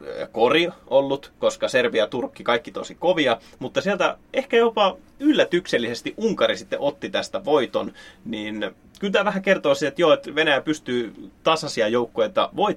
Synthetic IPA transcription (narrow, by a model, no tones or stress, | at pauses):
koriolːut̪koskɑserʋiɑt̪urkːikɑikːit̪osikoʋiɑmut̪ːɑsiælt̪æehkæjopɑ | ylːæt̪ykselːisest̪iʔuŋkɑrisit̪ːeʔot̪ːit̪æst̪æʋoit̪onniːn | kylt̪æːʋæhækert̪oːˑsit̪et̪joet̪ʋenæjæpyst̪yːt̪ɑsɑsiɑjoukːoet̪ːɑ̰ʋoit